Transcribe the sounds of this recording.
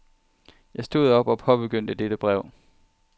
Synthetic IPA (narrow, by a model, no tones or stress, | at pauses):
jɑ̈ɪsd̥o̝̰ð̰ˠɒ̽b̥ɒ̽pʰɒ̽b̥e̝ɡ̥øn̰d̥əd̥ed̥əb̥ʁɛʊ̰